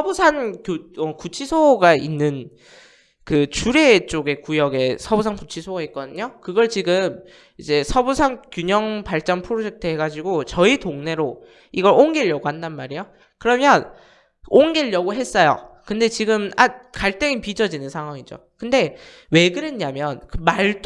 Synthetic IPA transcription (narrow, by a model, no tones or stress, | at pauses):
sʰʌbusʰaŋkoʌkut͡ɕʰisʰoɡainːɯn | kɯt͡ɕuɾe̞t͡ɕ͈oɡe̞kujʌɡe̞sʰʌbusʰaŋkut͡ɕʰisʰoɡait̚k͈ʌdɯɲokɯɡʌɭt͡ɕiɡɯm | id͡ʑe̞sʰʌbusʰaŋkjuɲʌŋpaɭt͡ɕ͈ʌnpʰɯɾod͡ʑe̞k̚tʰɯɦe̞ɡad͡ʑiɡot͡ɕʌitoŋne̞ɾo | iɡʌɾoŋɡeʎːʌɡohandanmaɾijo | kɯɾʌmjʌn | oŋɡeʎːʌɡoɦe̞s͈ʌjo̰kɯnde̞t͡ɕiɡɯmakaɭt͈eŋipid͡ʑʌd͡ʑinɯnsʰaŋɦwaŋid͡ʑo̰kɯnde̞ | we̞ɡɯɾeɲːamjʌnkɯmaɭt͈